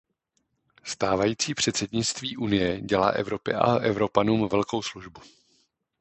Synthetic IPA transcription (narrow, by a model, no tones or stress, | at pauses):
st̪aːvajiːt͡siːpr̝̥ɛt̪sɛdɲɪt͡st̪viːʔunɪjɛɟɛla̰ːʔɛvɾo̞pɪ̰ʔa̰ʔɛvɾo̞panuːmvɛlko̞wsluʒbu